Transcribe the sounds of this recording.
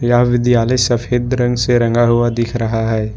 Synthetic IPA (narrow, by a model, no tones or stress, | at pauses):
jaɦʋɪd̪jaːləjsɐpʰeːd̪ɾɐ̃ŋɡseɾɐ̃ŋɡaɦuad̪ɪkʰɾɐɦaɦɛː